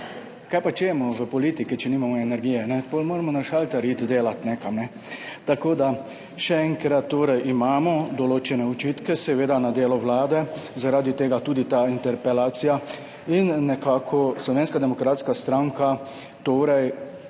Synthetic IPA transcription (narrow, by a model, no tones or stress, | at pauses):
kajpat͡ʃeːmʊʋəpɔlit̪ikit͡ʃɛnimamɔɛnɛɾɡijɛnɛpolmoːɾamɔnaʃalt̪aɾit̪d̪eːlat̪nɛkamnɛ | t̪akoːd̪a | ʃɛɛŋkɾat̪ːoːɾɛjʔimaːmɔd̪ɔloːt͡ʃɛnɛut͡ʃiːt̪kɛsɛʋeːd̪anad̪eːlɔʋlaːd̪ɛzaɾaːd̪it̪eːɡat̪uːd̪it̪aint̪ɛɾpɛlaːt̪sija | inːɛkaːkʰɔslɔʋeːnskad̪ɛmɔkɾaːt̪skast̪ɾaŋka | t̪oːɾɛj